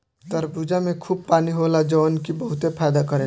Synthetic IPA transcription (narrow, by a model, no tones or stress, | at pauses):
t̪əɾbud͡ʒamẽkʰuːb̚paːniɦolad͡ʒənkibəɦʊt̪epʰaːd̪akəɾeː